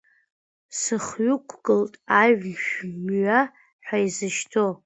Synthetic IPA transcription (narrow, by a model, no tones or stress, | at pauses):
sɨχɥʊkʷʰɡɨltʼaʕʷʃᶣmɥa | ħʷᶣaizɨʃtʰo